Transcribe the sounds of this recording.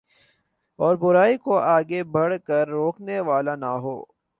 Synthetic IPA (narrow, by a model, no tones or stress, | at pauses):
ɔːɾbʊɾaːikoaːɡebʱɐɽkəɾːoːkneʋaːlanaɦo̰ː